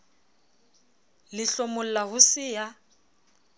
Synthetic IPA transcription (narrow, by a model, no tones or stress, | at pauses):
lɪɬomʊl̩lahʊsɪja